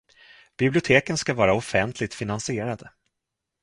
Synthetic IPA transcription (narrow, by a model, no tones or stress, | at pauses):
b̥ɪblɪʊt̪ʰeːkənskavɑːɾaɔfɛnt̪ʰlɪt̪fɪnansɪeːɾad̪ə